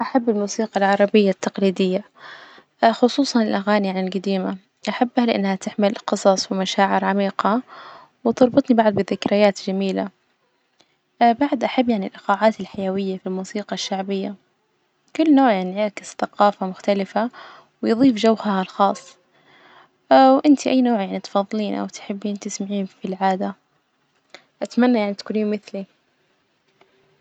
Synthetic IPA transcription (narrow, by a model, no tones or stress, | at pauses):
ʔaħabːɪlmuːsiːqɑlʕɑɾˤɑbɪjːat̪ʰːɑqliːd̪ɪjːa | xʊsˤuːsˤɑnɪlʔaɣaːnijanɪlɡad̪iːma | ʔaħabːhalɪʔa̰nːhat̪ɪʕmɪlqɨsˤɑsˤwɪmaʃaːʕɪɾʕamiːqɑ | wɪt̪ɑɾˤbɨt̪ˤnibaʕd̪bɪðɪkɾɪjaːt̪d͡ʒamiːla̰ | baʕd̪ʔaħabːjaʕnɪlʔɪqaːʕaːt̪alħajawɪjːafilmuːsiːqɑʃːaʕbɪjːa | kʊlːnoːʕjanʕɑɾkɪsθaqɑːfamʊxt̪alɪfa | wɪjðˤiːfd͡ʒawhaalxɑːsˤː | wʔɪnt̪ʰiʔajːnoːʕjaʕnit̪fɑðˤːliːnʔa̰wt̪ħɪbːiːnt̪ɪsmaʕiːnfilʕaːd̪a | ʔat̪manːajaʕnit̪kuliːnmɪθli